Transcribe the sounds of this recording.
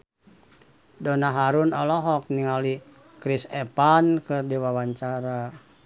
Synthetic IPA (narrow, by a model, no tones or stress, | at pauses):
dɔnaɦaɾunɔlɔɦɔk̚niŋali | kɾisɛpankɨrdiwawaɲt͡ʃaɾa